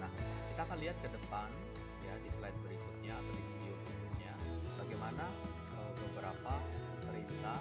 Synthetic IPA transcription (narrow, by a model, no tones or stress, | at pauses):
nahkit̪aːkanliɦat̪̚kədəpan | jadislajt̪̚bəɾikut̪̚ɲaːt̪adifideobəɾikut̪̚ɲaəbaɡajmana | ʔəbəbəɾapapəməɾint̪a